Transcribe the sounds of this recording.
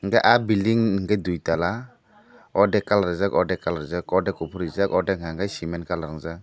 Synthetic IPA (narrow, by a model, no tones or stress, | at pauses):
ŋɡaʔabildiŋŋɡadujtala | ɔdɛkalɾazakɔdɛkalɾɯzakɔdɛkupʰuɾizakɔdɛŋaŋɡajsimɛnkalɾaŋza